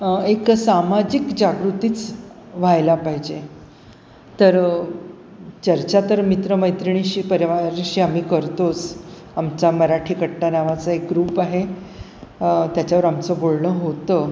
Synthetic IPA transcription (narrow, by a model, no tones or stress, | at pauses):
eksamad͡ʑikd͡ʑaɡɾut̪iːt͡s | ʋ̤ajlapaɦid͡ʑe | t̪əɾ | t͡ɕəɾt͡ɕat̪əɾmit̪ɾəməjt̪ɾiɳ̃iɕiːpəɾʋaɾɕiːam̤iːkəɾt̪os | amt͡saməɾaʈʰiːkəʈʈːanaʋat͡səek̚ɡɾuːpaɦe | t̪jat͡ɕjaʋəɾamt͡səbolɳəɦot̪ə